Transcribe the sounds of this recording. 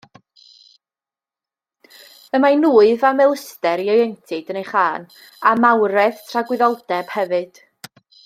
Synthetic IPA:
əmanuːɨðamɛlˠɪstɛɾiɔjɛntʰɪdənejχaːn | amawɾɛð̥tʰraɡwɪðɔlˠdɛb̥hɛvɨd̥

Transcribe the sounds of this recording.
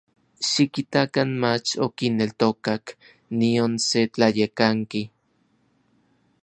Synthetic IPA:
ʃikit̪akanmat͡ʃokinːelt̪okak | nionset͡ɬajekaŋki

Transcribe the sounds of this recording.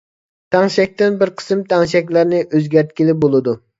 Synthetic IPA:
t̪ʰæŋʃɛk̚ʲt̪ɪnbɪɾqʰə̥sɨmt̪ʰæŋʃɛk̬ʲlæɾnɪʔøzɡʲæɾt̪̚kʲilɪp̚bolˠɨd̪u

